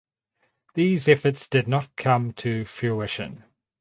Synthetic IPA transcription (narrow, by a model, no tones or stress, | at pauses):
ðiːzɛfətsd̥ɪdⁿnət̚kʰʌ̃mtʰəfjʉɪʃə̰̃n